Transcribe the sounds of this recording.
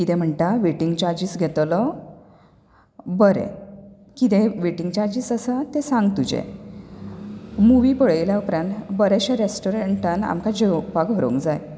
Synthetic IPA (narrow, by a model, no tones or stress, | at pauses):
kit̪ɛ̃m̤əɳʈ̪aʋeʈiŋɡt͡ɕaɾd͡ʑisɡʱet̪lɔ | bəɾḛ | kit̪eʋeʈiŋɡt͡ɕaɾd͡ʑiːsəsət̪esãŋɡt̪ud͡ʑḛ | muʋipəɭeljaupɾãnbəɾɛɕaɾesʈoɾeɳʈəna̰mkad͡ʑewpaɡʱɔɾo̰ŋkd͡zaj